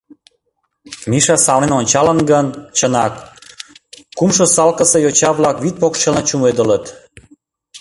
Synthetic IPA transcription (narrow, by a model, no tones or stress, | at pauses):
miʃɑsɑwnenonʲt͡ɕɑlənɡənt͡ɕənɑk | umʃosɑlkəsəjot͡ɕɑβlɑkβit̪̚pokʃelnət͡ɕumed̪ələt̪